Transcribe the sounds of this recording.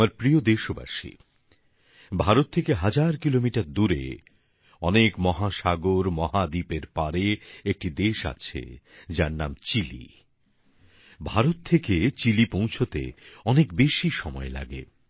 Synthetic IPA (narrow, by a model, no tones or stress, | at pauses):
amaɾpɾiod̪eʃoba̰ʃḭ | bʱaɾot̪ʰːekeɦad͡ʑaɾkilomiʈaɾd̪uɾḛ | ɔnekmɔɦaʃaɡoɾmɔɦad̪ipeɾpaɾeek̚ʈid̪eʃa̰t͡ɕʰḛd͡ʑaɾnamt͡ɕilḭ | bʱaɾot̪ʰːeket͡ɕilipõw̃t͡ɕʰot̪ḛɔnekbeʃiʃɔmɔela̰ɡḛ